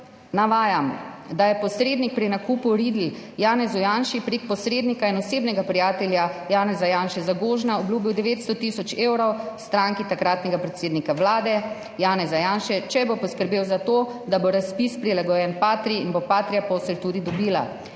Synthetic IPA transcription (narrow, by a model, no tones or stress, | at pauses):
naʋaːjamd̪ajɛpɔsɾeːd̪nik̚pɾinakuːpuɾiːd̪ljaːnɛzujanʃipɾeːkpɔsɾeːd̪nikainɔseːbnɛɡapɾijaːt̪ɛljajaːnɛzajaːnʃɛzaɡoːʒnaɔbluːbiwd̪ɛʋeːt̪st̪ɔt̪isɔt͡ʃeːwɾɔwst̪ɾaŋkit̪akɾaːt̪nɛɡapɾɛt̪seːd̪nikaʋlaːd̪ɛ | jaːnɛzajaːnʃɛt͡ʃɛbopɔskəɾbeːwzat̪oː | d̪aboɾaspispɾilaɡɔjɛnpaːt̪ɾiinbopaːt̪ɾijapɔːslt̪uːd̪id̪ɔbiːla